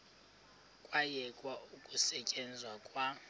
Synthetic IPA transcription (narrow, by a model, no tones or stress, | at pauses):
kʼwajɛkʼwaukʼusɛt͡ʃʼɛnd͡zʱwakʼwa